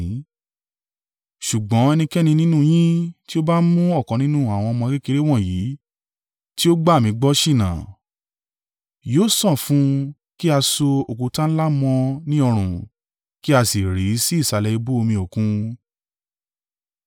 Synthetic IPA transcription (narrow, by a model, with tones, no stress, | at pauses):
ʃu˨ɡ͡bɔ̃˨˦ɛ˧nĩ˧kɛ˦nĩ˧nĩ˦nũ˦j̃ĩ˦ti˦o˦ba˦mũ˦ɔ˦˨kɔ̃˨nĩ˦nũ˦˨a˨w̃ɔ̃˧mɔ̃˧ɡe˦ke˧ɾe˦w̃ɔ̃˦˨jiː˨˦ | ti˦o˦ɡ͡ba˦˨mĩ˧˦ɡ͡bɔ˦ʃi˦˨nã˨ | joː˦sɔ̃˦˨fũ˨˦ | ki˦a˧so˧o˨kũ˨˦tã˦ñ̩˦la˦mɔ̃˧nĩ˦ɔ˧ɾ̃ũ˨ | ki˦a˧si˨ɾi˨˦si˦i˦˨sa˨˧lɛ˧i˧bu˦o˧mĩ˧o˨kũ˦